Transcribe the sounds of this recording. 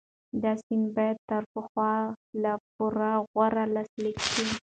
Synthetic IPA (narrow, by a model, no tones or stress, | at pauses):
d̪asinbɑjad̪̚t̪əɾpəxwɑlap̚uɾaɣwaɾalaslikʃi